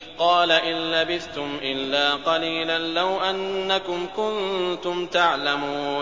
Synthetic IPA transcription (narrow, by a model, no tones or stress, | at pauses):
qɑːlaʔɪnlabɪθt̪ʊmʔɪlːaːqɑliːlanlawʔanːakʊmkʊnt̪ʊmt̪aʕlamuː